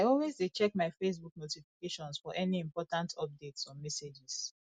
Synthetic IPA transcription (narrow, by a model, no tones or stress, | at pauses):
ajɔlwezdet͡ʃɛk̚maɪfes̬buk̚notifikeʃɔ̃nsfɔʔɛniĩmpɔtãntʰɔp̚detsɔmɛsed͡ʒis